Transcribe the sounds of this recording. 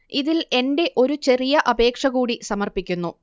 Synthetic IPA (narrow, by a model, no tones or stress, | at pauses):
iðile̞nde̞ʔo̞ɾut͡ɕe̞rijɐʔɐbe̞ːkʂɐɣuːɽisɐmɐrpikʲːunːu